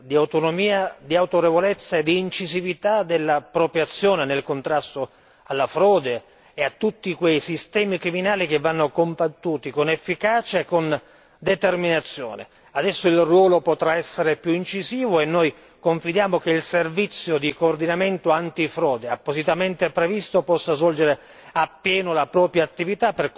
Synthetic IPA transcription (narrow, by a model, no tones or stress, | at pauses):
d̪iawt̪onomiːad̪iawt̪oɾevolet̪sːaed̪iːnt͡ʃizivit̪ad̪elːapɾopɾjat̪sːjoːnenelkont̪ɾast̪o | alːafɾɔːd̪eː | at̪ːut̪ːikwejsist̪ɛːmikɾiminaːlik̟evːanːokombat̪ːuːt̪ikonefːikaːt͡ʃaekːon | d̪et̪erminat̪sːjo̰ːnḛ | ad̪ɛsːoilrwɔːlopot̪ɾaɛsːeɾepjuint͡ʃiziːvoenːoj | koɱfid̪jaːmokeilservit̪sːjod̪ikoːrd̪inament̪oant̪ifɾɔːd̪eapːozit̪ament̪epɾevist̪opɔsːazvɔld͡ʒeɾe | apːjɛːnolapɾɔːpɾjaːt̪ːivit̪apːer